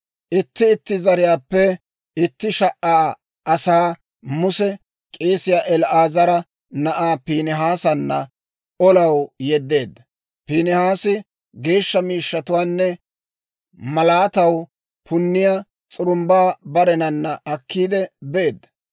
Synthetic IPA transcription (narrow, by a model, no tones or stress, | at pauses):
ʔɪt̪ːɪːt̪ːɪzɐɾɪjaːpːɛ | ɪt̪ːɪʃɐʔaː | ʔɐsaː | mʊsɛ | kʼieːsɪjaːʔɛlʔaːzɐɾɐ | nɐʔaːpiːnɛɦaːsɐnːɐ | ɔlɐwjɛd̪ːe̞ːd̪ːɐ | piːnɛhaːsɪ | ɡe̞ːʃːɐmiːʃːɐt̪ʊwaːnːɛ | mɐlaːt̪ɐw | pʰʊnːɪjaː | t͡sʼʊɾʊmbaːbɐɾɛnɐnːɐʔɐkːiːd̪ɛbeːd̪ːɐ̥